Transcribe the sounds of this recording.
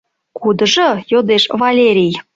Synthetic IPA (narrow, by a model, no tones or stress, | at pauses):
kud̪əʒɤjod̪eʃvɑlʲeɾʲij